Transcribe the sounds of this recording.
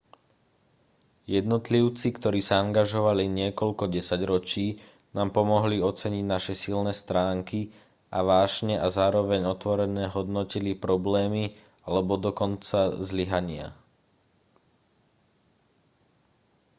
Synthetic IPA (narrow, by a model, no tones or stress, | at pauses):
jɛd̪nɔt̪liʊt͡sikt̪ɔɾiːsaaŋɡaʒɔʋaliɲɪɛkɔlkɔɟɛsaɟɾɔt͡ʃiː | naːmpɔmɔɦliɔt͡sɛɲiɟnaʃɛsilnɛːst̪ɾaːŋki | aʋaːʒɲɛʔazaːɾɔʋɛɲɔt̪ʋɔɾɛnɛːɦɔd̪nɔcilipɾɔblɛːmi | alɛbɔd̪ɔkɔnt͡sazliɦaɲɪa̰